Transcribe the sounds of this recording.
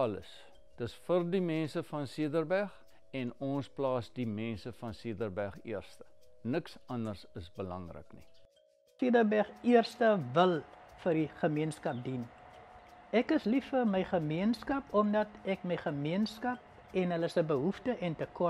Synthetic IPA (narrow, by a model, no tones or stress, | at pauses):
ɐlə̰s | d̥əsfərdimɛnsəfɐnsiədərbærχ | ɛnɔnsplɑːsdimɛnsəfɐnsiədərbæχiərstə̥nəksɐndərsəsbəlɐŋrə̰knḭ | siədərbæχiərstəvəlˠfərɾiχəmiənskɐp̚din | ɛkəslifərməjχəmiənskɐpɔmdɐtɛkməjχəmiənskɐp̚ | ɛnɦələsəbəɦuftəʔɛntəkɐ